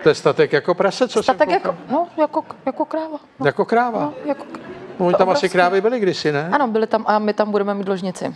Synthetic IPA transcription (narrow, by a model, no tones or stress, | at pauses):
t̪ojɛst̪at̪ɛkjakopɾasɛt͡sosat̪akjakonojakojakokɾaːva | jakokɾaːvaojako̥knvoɲt̪amasɪkɾaːvɪbɪlɪɡdɪsɪnɛanobɪlɪt̪amʔamɪt̪ambuɾɛmɛmiːd̪loʒɲɪt͡sɪ̰